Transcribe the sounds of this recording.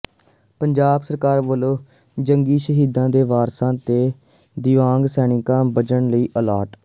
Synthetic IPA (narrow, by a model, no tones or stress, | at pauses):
pəɲd͡ʒaːbsəɾkaːɾʋəloː | d͡ʒəŋɡiːʃəɦiːd̪ãːd̪eːʋaːɾsãːt̪eː | d̪ɪʋãːŋɡsɛːnɪkãːbət͡ʃəɳləiːʔəlaːʈ